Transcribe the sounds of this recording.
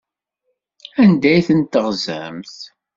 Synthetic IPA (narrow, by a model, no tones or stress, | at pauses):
ænd̪æjθənt̪ːəʁzæ̰mθ